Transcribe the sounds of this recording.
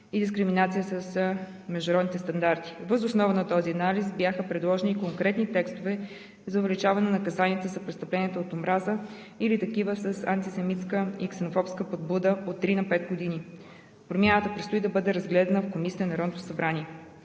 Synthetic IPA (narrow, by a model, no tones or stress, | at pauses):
id̪iskɾiminat̪sijəsəs | mɛʒd̪ʊɐɾɔd̪nit̪ɛst̪ɐnd̪aɾt̪i̥vəzʊsnɔvənɐt̪ɔziɐnalisbjaxəpɾɛd̪lˠɔʒɛnikoŋkɾɛt̪nit̪ɛkst̪ovɛ | zɐʊvɛlit͡ʃavɐnɛnɐkɐzaniət̪əzɐpɾɛt̪st̪ɐplɛniət̪oot̪omɾazə | ilit̪ɐkivəsəsɐnt̪isɛmit̪skəiksɛnofɔpskəpod̪̚bud̪əot̪ːɾinɐpɛt̪ɡod̪ini | pɾomʲjanət̪əpɾɛt̪st̪oid̪ɐbɤd̪ɛɾɐzɡlɛd̪ɐnəfkomisʲiənɐɾɔd̪nt̪osɐbɾanʲiɛ